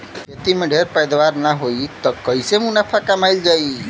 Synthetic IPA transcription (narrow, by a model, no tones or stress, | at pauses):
jet̪imẽɖʱeɾpəjd̪ʋaɾnaɦoit̪ɔkəisemũnapʰakamajld͡ʒai